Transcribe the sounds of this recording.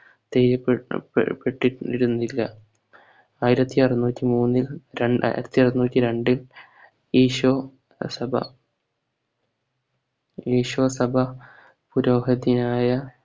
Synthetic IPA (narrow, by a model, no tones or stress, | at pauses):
t̪ejɾɐ̰ | pːeʈːiiɾunːuilːɐ | aːjiɾɐt̪ːiɐrɐnːuːtʲːimuːnːilɾeɳa̰ːḭɾɐt̪ːiɐrnuːtːiɾe̞ɳɖil | iːʂ | sɐbʱɐ̰ | iːʂuʋɐsɐbʱɐ | puɾoːɦɐd̪inaːjɐ